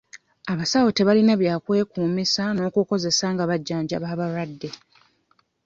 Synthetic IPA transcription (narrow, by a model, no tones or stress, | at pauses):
aβasawo̞te̞βalinaβjaːkwe̞ːkuːmisano̞ːkuko̞ze̞saŋɡaβaɟːaːɲɟa̰βaːβaɾwadːe̞